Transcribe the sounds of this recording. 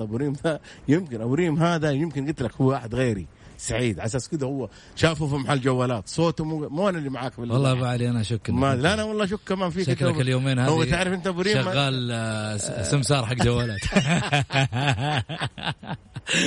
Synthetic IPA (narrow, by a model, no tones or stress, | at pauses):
bʊɾiːmd̪a | jɪmkɪnʔabɾiːmɦaːðajɪmkɪnɡɪt̪lakhʊwːawaːħɪd̪ɣeːɾḭ | saʕiːd̪ʕas̬aːskɪd̪ahʊwːa | ʃaːfufimaħalːd͡ʒawːaːlaːt̪sˤoːt̪mumuʔanalːimaʕaːkbɪlːwaɑlˤːɑːbaʕliʔanaʃʊkːmad̪lʔanawɑlˤːɑːʃ̬ʊkːamaːnfiːkʃat̪aakljoːmeːnhaːhwːaɪʕɾɪfʔɪnt̪abʊɾiːʃɪɣaːl | sɪmsɑːɾˤħaɡd͡ʒawːalaːt̪